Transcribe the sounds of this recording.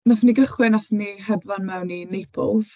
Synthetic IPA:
nafniɡəχwɪnafnihɛdvanmɛwninejpʰɔ̰lˠs

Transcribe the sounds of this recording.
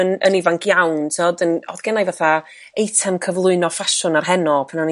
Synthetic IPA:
ənə̰nivaŋkʰjawntʰɔdənɔ̰ðɡ̥ɛnajvaθa | ejtʰɛmkʰəvlˠʊɨnɔfaʃʊnarɦɛnɔpʰanan

